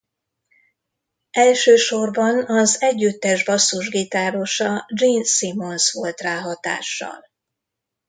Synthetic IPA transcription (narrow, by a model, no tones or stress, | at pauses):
ɛlʃøːʃorbɒnɒzɛɟːyt̪ːɛʒbɒsːuʒɡit̪aːɾo̞ʃɒd͡ʒiːnsimo̞nsʋo̞lt̪raːɦɒt̪a̰ːʃːɒ̰l